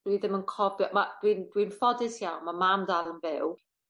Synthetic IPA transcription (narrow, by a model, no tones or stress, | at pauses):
d̥wiðəmənkʰɔbjɔmad̥windwinfɔdɪsjawnməmamdalənvɪlˠ